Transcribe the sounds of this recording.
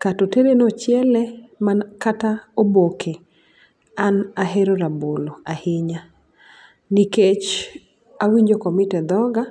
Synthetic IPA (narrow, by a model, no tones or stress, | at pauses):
katoteɾenot͡ʃjɛlɛmankataobokʰe | anaɦeɾoɾaboloahɪɲa | niket͡ʃ | awiɲd͡ʒokɔmitɛd̪ɔɡa